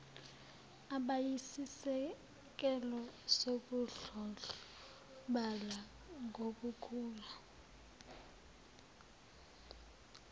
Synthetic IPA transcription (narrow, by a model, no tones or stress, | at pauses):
aɓajisisɛ | k̬ʼɛlɔsokuɮɔ | ɓala | ŋʱokukʰuːla